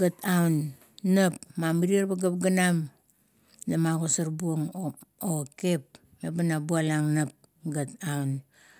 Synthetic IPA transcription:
ɡatawnː | apmamiɾieɾbaɡap̚ɡanam | lamaɡosaɾbuoŋoke̞p̚ | mebanabualaŋnap̚ | ɡat̚awn

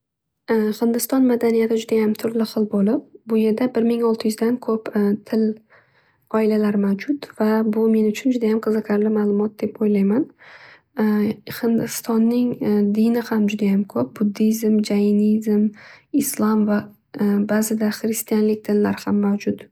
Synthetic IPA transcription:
hɪnd̪ɪst̪ɒnmad̪anijat̪ʰɪd͡ʒʊd̪ajamt̪ʰʊɾlɪχɨlˠbolɪp̚bʊje̞ɾd̪abɪɾmɪŋɒlˠt̪ʰɪjʏzd̪ankʰɵpt̪ʰɪl | ɒɪlalaɾmawd͡ʒʊt̪v̥abʊmenʊt͡ʃʰʊnd͡ʒʊd̪ajamqʰɨzɨkʲʰaɾlɪmalˠʊmɒt̪̚d̪e̞pojlajman | hɪnd̪ɪst̪ɒnːɪŋd̪ɪnɪhamd͡ʒʊd̪ajamkʰɵp̚bʊd̪ːizmd͡ʒajɪnizmɪslˠɒmva | bazɪd̪aχɾɪst̪ijanlɪk̚ʲt̪ʰɪlːaɾhamːawd͡ʒʊt̪

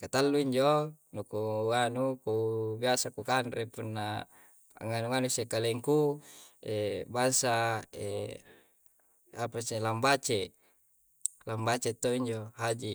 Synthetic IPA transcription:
kat̪alːuiɲd͡ʒonukuanukubiasakukanrepunːa | a̰ŋanuŋanusekaleŋku | ebaŋsaḛ | apaselambat͡ʃe | lambat͡ʃet̪ːoiɲd͡ʒoɦad͡ʒi

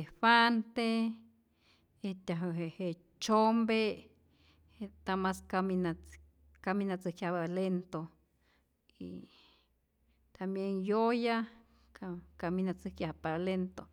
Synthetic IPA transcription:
efant̪e | et̪ʲaɦəɦehe | t͡ʃombe | et̪amaskamina | kaminat͡sɨhkjaβalent̪o | ḭ | t̪ambjeŋjoja | kaminat͡sɨkjahpalent̪o

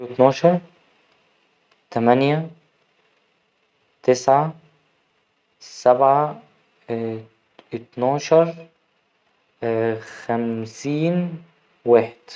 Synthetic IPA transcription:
ɪt̪nɑːʃɑɾˤ | t̪amanja | t̪ɪsʕa | sabʕa | ɪt̪nɑːʃɑɾˤ | xamsiːn | waːħɪd̪̥

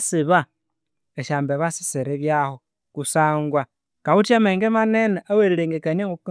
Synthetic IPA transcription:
siβa | eʃaːmbeβasi̥seɾeβjaho | kusaːŋɡwa | kaβutameːŋɡemanenaaweɾiɾeːŋɡekaɲeŋɡuk

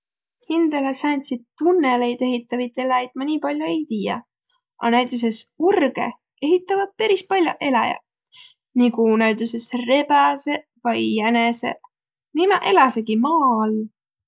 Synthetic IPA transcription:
hind̪̥ɑlesænʲsid̪̥̚t̪unːele̞jd̪̥e̞ɦit̪ːˑɑvit̪ːˑelɑjd̪̥mɑnʲiːpɑlʲjoe̞jt̪iːjɑ̰ | ʔɑ̰næɥt̪ˑus̬e̞surɡ̥e̞̰ | e̞ɦit̪ːˑɑvɑd̪̥̚peɾispɑlʲjo̰ʔe̞lɑjɑ̰ | nikunæɥt̪ˑusesre̞bæse̞ | vɑjːænese̞̰ | nimɑʔe̞lɑseɡimɑːl

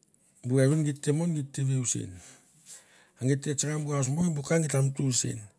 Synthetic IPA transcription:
buaɾunɡitːemonɡitːeβeusḭn | aŋɡitːet͡ʃaɾambuas̬mobukaŋɡitamtusḭn

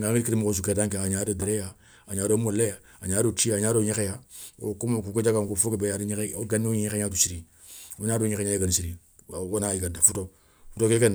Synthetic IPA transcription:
ŋɡãŋiɾikiɾimukos̬ukɛdãŋkɛaɲadodeɾɛja | aɲaːdomoleja | aɲaɾotiaɲaɾoɲɛkɛjao̰komkuked͡ʒakaŋkofokebɛjaɾuɲɛɡanioɲɲɛkɛɲatusiɾi | oɲadoɲɛkɛɲajeɡanisiɾi | onaiɡadafuto | futokekɛn

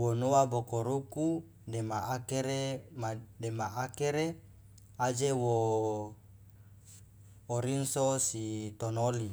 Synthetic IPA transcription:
wonoabokoɾuku | demaakeɾemademaʔakeɾe | ad͡ʒewo | ɾinsosit̪onoli

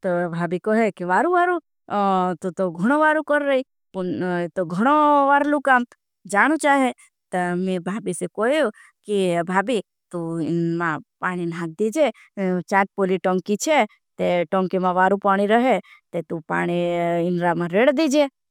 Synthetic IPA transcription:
t̪obʱaːbikɔɦekiʋaːɾuʋaːɾu | t̪ot̪oɡʱəɽ̃oʋaːɾukəɾːəi | pʊnet̪oɡʱəɽ̃oʋaːɾlukam | d͡ʒaːɽ̃ut͡ʃaːɦe | t̪ɐmẽbʱaːbisekojo | kibʱaːbi | t̪uɪnmãpaːɽ̃inɦãːt̪̚d̪id͡ʒe | t͡ʃãːt̪̚poliʈoŋkit͡ʃʰe | t̪eʈõːŋkimãʋaːɾupaːɽ̃iɾəɦet̪et̪upa̰ːɽ̃iɪnɾamãɾeːɽd̪id͡ʒe

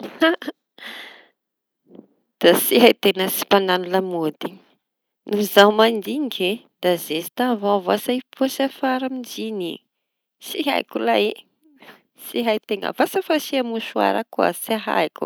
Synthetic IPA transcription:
d̪̥asiɦajt̪enəsi̥pananulamod̪i | nuzawmand̪iŋɡe | d̪azezi̥t̪avavasaipuasafaɾamind͡ʒinḭ | siɦa̰jkulaji | siɦajt̪eŋə̰vasafasiamuʃua̰ɾakua̰saɦa̰jku̥̰

